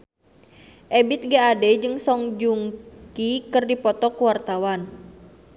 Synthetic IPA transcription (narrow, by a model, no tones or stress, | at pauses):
ʔɛbɪt̪̚ɡaadɛd͡ʒɨŋsɔŋd͡ʒuŋkikɨrdipɔt̪ɔkuwart̪awan